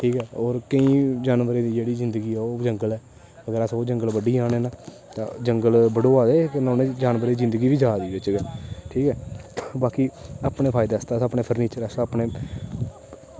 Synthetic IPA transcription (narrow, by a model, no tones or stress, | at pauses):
ʈʰiːkɛːoːɾkəĩːd͡ʒaːnʋəɾeːd̪iːd͡ʒeːɽiːzɪnd̪əɡiːɛːoːd͡ʒəŋɡəlɛː | əɡəɾəsoːd͡ʒəŋɡəlbəɖiːãːñeːnãː | t̪ã̰ːd͡ʒəŋɡəlbəɽoːaːd̪eːknɔ̃ːnẽd͡ʒaːnʋəɾed̪iːzɪ̃nd̪əɡiːʋiːd͡ʒaːd̪iːbɪt͡ʃɡɛːʈʰiːkɛːbaːkiaːpneːpʰaːɪd̪eːəst̪aːsəpneːpʰəɾniːt͡ʃəɾəsaːpneː